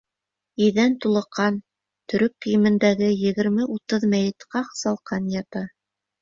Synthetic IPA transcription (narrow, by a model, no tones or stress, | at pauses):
iðænt̪ulˠɤ̆qʰːɑn | t̪ɵ̆ɾɵkːɘ̆jɘ̆mɘ̆nd̪æɡɘjɘ̆ɡɘ̆ɾmɘʔut̪ɤðmæjɘ̆t̪qɑqsɑlˠqɑnjɑt̪ɑ